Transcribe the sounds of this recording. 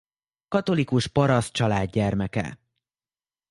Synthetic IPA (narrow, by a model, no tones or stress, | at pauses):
kɒt̪o̞likuʃpɒɾɒs̚t͡ʃɒlaːd̪ːɛrmɛkɛ̰